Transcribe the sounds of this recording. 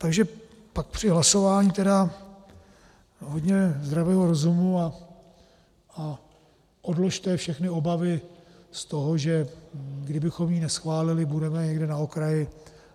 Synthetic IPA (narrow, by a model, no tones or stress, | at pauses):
t̪aɡʒɛ | pak̚pr̝̥ɪɦlaso̞vaːɲit̪ɛda | ɦod̪ɲɛzd̪ɾavɛːɦoɾo̞zumua | a | ʔo̞dlo̞ʃt̪ɛːfʃɛxnɪo̞bavɪ | st̪oɦo̞ʒɛɡdɪbɪxo̞mjiːnɛsxvaːlɪlɪbudɛmɛɲɛɡdɛnaokɾajɪ